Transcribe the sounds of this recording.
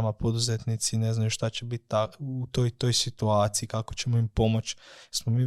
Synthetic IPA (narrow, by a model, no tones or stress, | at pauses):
mapo̞d̪uzet̪nit̪sine̞znajuʃt̪at͡ɕe̞bit̪ːaut̪ojt̪o̞jsit̪uaːt̪siikako̞̥t͡ɕe̞moimpo̞mo̞t͡ɕsmomiː